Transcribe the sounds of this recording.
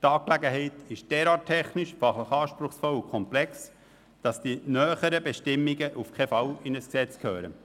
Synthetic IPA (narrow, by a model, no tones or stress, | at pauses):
tɑːklæɡəɦɛɪtɪʃd̥ɛːɾɑːt̚tʰɛχnɪʃfɑχləχɑːʃpɾʊχsfɔlukʰɔmplɛks | d̥ɑsd̥inœːχəɾəbɛʃtɪmːiɡəʔufkʰefɑwɪnəsksɛt͡skʰhøːɾə̰